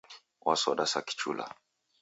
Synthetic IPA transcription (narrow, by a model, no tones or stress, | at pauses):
wʔasɔɗasaki̥t͡ʃṵla̰